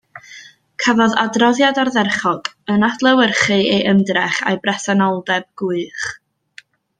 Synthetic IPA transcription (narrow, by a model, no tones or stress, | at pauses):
kʰəvɔða̰drɔðjadarðɛrχɔɡ̥ənad̥lˠəwərχɨeʔəmdrɛχa̰jbrɛθanɔlˠdɛb̚ɡ̥ʊɨχ